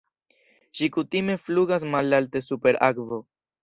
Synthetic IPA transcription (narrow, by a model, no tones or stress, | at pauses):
ʃikutime̞fluɡas̬malalte̞supe̞ɾakvo̞